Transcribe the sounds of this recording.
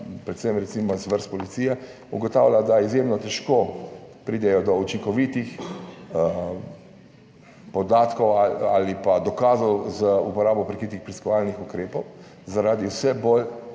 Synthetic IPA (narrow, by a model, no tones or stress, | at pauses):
pɾɛt̪sɛmɾɛt̪simɔzʋəɾst̪̚pɔlit̪sijɛ | ṵɡɔt̪aːwlʲjad̪aizjemnɔt̪ɛʃkopɾid̪ɛjɔd̪ɔut͡ʃiŋkɔʋit̪ix | pɔd̪aːt̪kɔwaalipad̪ɔkaːzɔwzəupɔɾaːbɔpɾɛkɾit̪ixpɾiskɔʋalnixukɾeːpɔw | zaɾaːd̪iwsɛbol